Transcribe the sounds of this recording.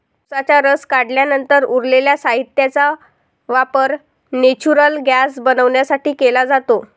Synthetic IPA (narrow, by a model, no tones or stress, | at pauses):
usat͡ɕaɾəskaɽljanənt̪əɾuɾleljasaɦit̪jat͡sa | ʋapəɾ | net͡ɕuɾəlɡjasbənəʋɳjasaʈiːkelad͡zat̪o